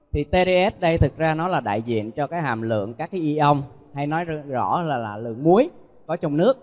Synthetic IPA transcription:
t̪ʰi˨˩t̪e˧ɾe˧ʔɛ˦˥t̚ɗə˧jt̪ʰɨ˨˩k̚zaː˧nɔ˨˦laː˨˩ɗa̰ː˧˨jzḭ˧˨ənt͡ɕɔ˧kaː˨˦jɦa̰ː˨˩mlɨ̰˧˨əŋkaː˦˥k̚ːaː˨˦jʔi˧ʔə˧wŋ͡m | ha˧jnɔ˨˦jzɔ̰˧˩laː˨˩laː˨˩lɨ̰˧˨əŋmu˨˦əj | kɔ˨˦t͡ɕɔ˧wŋ͡mnɨ˦˥ək̚

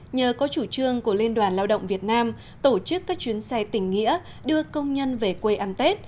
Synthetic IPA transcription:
ɲəː˨˩kɔ˨˦t͡ɕu˧˩t͡ɕɨ˧əŋku˧˩əli˧nɗwaː˧˩nlaː˧wɗə̰˧˨wŋ͡mvi˨˩ət̚naː˧m | t̪o˧˩t͡ɕɨ˦˥kːaː˦˥k̚t͡ɕi˨˦ənsɛ˧jt̪ï˧˩ŋ̟ːŋḭ˧˥ə | ɗɨ˧əkə˧wŋ͡mɲə˧nve˨˩kwe˧ʔa˧nt̪e˦˥t̚

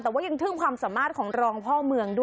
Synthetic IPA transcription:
t̪ɛː˨˩waː˥˩ja˧ŋt̪ʰɯː˥˩ŋkʰwaː˧msa˩˦mːaː˥˩t̪̚kʰɔː˩˦ŋɾɔː˧ŋpʰɔː˥˩mɯ˧əŋdu˥˩

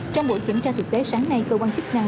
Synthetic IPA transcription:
t͡ɕɔ˧wŋ͡mɓo̰˧˨jt̪wi˧˩nt͡ɕaː˧t̪ʰɨ˨˩k̚t̪e˨˦saː˨˦ŋna˧jkəː˧kwaː˧nt͡ɕɨ˦˥k̚na˧ŋ

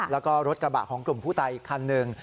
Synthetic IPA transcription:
lɛː˦˥wkɔː˥˩ɾo˦˥t̪̚kɾa˧ba̰˨˩kʰɔː˩˦ŋklu˨˩mpʰuː˥˩t̪a˧jkʰːaː˧nːɯ˧ŋ

